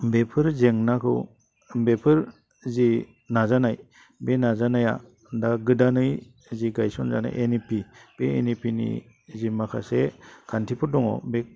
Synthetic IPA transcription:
bepʰɯɾzeŋnakʰɯ̰w | bepʰɯɾ | zi | nazanaj | benazanaja̰ | daɡɯdanɯj | ziɡajsɔnza̰na̰jʔenipib̥eenipinḭ | zimakʰa̰sekʰantʰipʰɯɾdɔŋɔ̰be

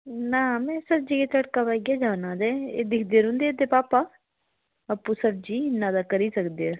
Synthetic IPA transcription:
naːmɛ̃ːsəb̚d͡ʒiːket͡ʃəɽkaːpɛːɡjaːd͡ʒaːnãːd̪ɛːḛːd̪ɪkʰd̪eːɾõːnd̪eeːt̪eːpaːpaː | əpːũːsəb̚d͡ʒiːnːãːd̪aːkəɾiːsəkd̪eːaː

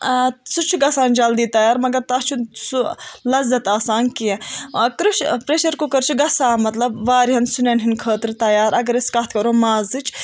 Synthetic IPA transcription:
sut͡ʃʰuɡɐsaːnd͡ʒɐld̪iːt̪ɐjaːɾmɐɡɐɾt̪ɐst͡ʃʰusulɐzɐt̪aːsaːnkijẽkɾuʃpɾeːʃɐɾkukɐɾt͡ʃʰuɡɐsaːmɐt̪lɐbʋaːɾɦɐnsunɐnɦinkʰəːt̪ɾt̪ɐjaːɾɐɡɐɾɐskɐt̪ʰkɐɾoːmaːzɨt͡ʃʰ

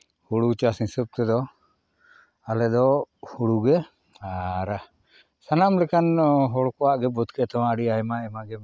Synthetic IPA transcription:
huɽut͡ʃasisəp̚t̪ɛd̪ɔ | alɛd̪ɔhuɽuɡɛ | aɾa | sanamlɛkanɦɔɽkɔwaʔɡɛbɔt̪kʰɛt̪awaəɽiaɛmaɛmaɡɛ

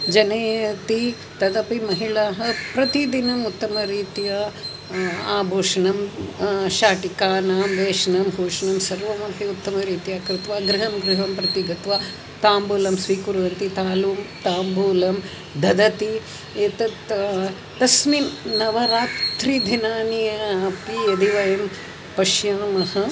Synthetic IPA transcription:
d͡ʒɐneːɐt̪i | t̪ɐd̪ɐpimɐɦiɭaːɦɐpɾɐt̪id̪inɐmut̪ːɐmɐɾiːt̪ijɐ | aːbʱoːʂɐnɐm | ʃaːʈikaːnaːmʋeːʂɐnɐmɦoːʂɐnɐmsɐɾʋɐmɐkʰiut̪ːɐmɐɾiːt̪ijaːkɾɪt̪ʋaːɡɾɪɦɐmɡɾɪɦɐmpɾɐt̪iɡɐt̪ʋaː | t̪aːmbuːlɐmsʋiːkuɾʋɐnt̪it̪aːluːmt̪aːmbʱuːlɐm | d̪ʱɐd̪ɐt̪i | eːt̪ɐt̪ | t̪ɐsminnɐʋɐɾaːt̪ɾid̪ʱinaːnijɐɐpijɐd̪iʋɐjɐm | pɐʃjaːmɐhɐ

